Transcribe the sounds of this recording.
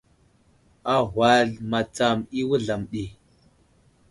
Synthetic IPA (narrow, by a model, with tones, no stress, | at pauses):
a˦ɦwa˦˨ɮma˨t͡sa˨mi˦wu˦ɮa˨mɗi˨